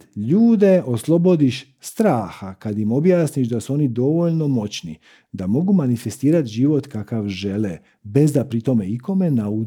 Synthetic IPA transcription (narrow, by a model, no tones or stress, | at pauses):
ʎuːd̪e̞o̞slˠo̞bo̞d̪iʃ | st̪ɾaːxakad̪imo̞bjaːsniʃd̪asuo̞nid̪o̞ʋo̞ʎno̞mo̞t͡ɕnḭ | d̪amo̞ɡumanife̞st̪iːɾat̪ʒiːʋot̪kakaʋʒe̞le | be̞zd̪apɾit̪o̞me̞iko̞me̞nau